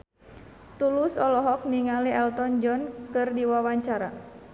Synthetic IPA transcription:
t̪ulusɔlɔɦɔk̚niŋaliɛlt̪ɔnd͡ʒɔnkɨrdiwawaɲt͡ʃaɾa̰

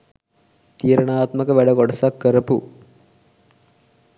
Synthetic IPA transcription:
t̪iːɾɐɳaːt̪mɐkːɐʋɐɽɐkoɽɐsɐkːəɾɐpṵ

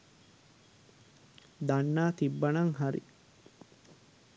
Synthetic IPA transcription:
d̪anːaːt̪ibːanaŋɦaɾḭ

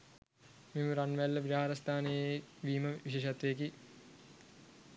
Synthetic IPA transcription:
memuɾanʋælːəʋiɾɦaaɾɐst̪ʰaːnejeʋiːməʋiʃeːʃat̪ʋejːki

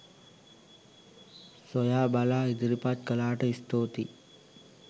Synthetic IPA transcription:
sojaːbalaːid̪iɾipat̪kəlaːʈəist̪oːt̪i

